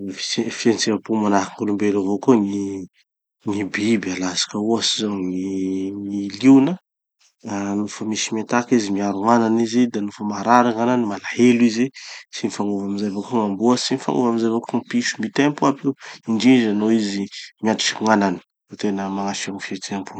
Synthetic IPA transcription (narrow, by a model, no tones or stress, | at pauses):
fi̥efient͡sevapumanakiŋɡulumbelavokoŋi | ŋibibalasḁkəuasizoŋiŋiliwnə | anufəmisimat̪akizimiaɾuŋananizid̪anufəmaɾaɾaŋananimalaheluizesinifaŋuvamizevakoŋambuəsinifa̰ŋuvamizevəkumpiʃu̥mit̪empuapiwiɳɖ͡ʐid͡ʒanoizimiat̪u̥fiuŋanani̥ | vot̪enəmaŋaʃiaŋifent͡seapu